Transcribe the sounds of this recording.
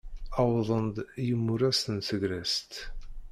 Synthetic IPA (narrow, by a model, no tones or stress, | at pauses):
ɑwðˤənd̪jəmːuɾæsənsəɡɾæst̪